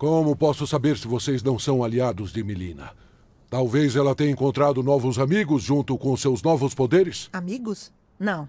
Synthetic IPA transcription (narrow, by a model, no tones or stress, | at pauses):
kõmʊpɔsʊsabeɾsɪvosejznɐ̃w̃sɐ̃w̃aliad̪ʊzd͡ʒɪmilḭ̃nɐ̰ | t̪awvezɛlɐt̪ẽj̃ẽŋkõnt̪ɾad̪ʊnɔvʊzamiɡʊzʒũnt̪ʊkõʊsewznɔvʊspod̪eɾɪsamiɡʊs | nɐ̃w̃